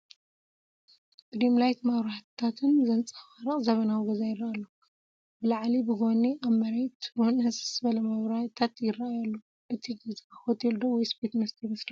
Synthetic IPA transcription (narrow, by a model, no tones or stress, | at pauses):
d̥ɾimlajt̪maβɾat̪ʰat̪ʰɨnzɐnt͡sʼɐfaɾɨχʼzɐβɐnawiɡɐzajɪraʔalːo | bɨlaʕlibɨɡoniʔaβmɐɾet̪ɾonɐssbɐlɐmaβɾaht̪ʰat̪jɪraʔajalːo | ʔɨt̪ʰiɡɐzkaxot̪ʰild̪owɔjspet̪mɐst̪ʰimɐsli